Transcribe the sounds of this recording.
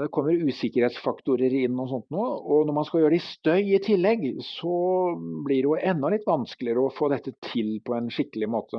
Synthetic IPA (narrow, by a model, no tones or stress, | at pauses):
d̪ɛkʰɔmːəɾʉːsɪkːəɾheːt̪sfɑkt̪ʊɾəɾɪnːɔsɔnt̪nuːɔnɔɾmɑnskɑljøːɾɖɛɪst̪œʏɪt̪ʰɪlːɛɡsɔblɪɖɛjʊʔɛnːɔlɪt̪ːʋɑnskəlɪəɾəɔfoːd̪ɛt̪ːət̪ʰɪlpʰɔɛnʂɪkəlɪmoːt̪ʰə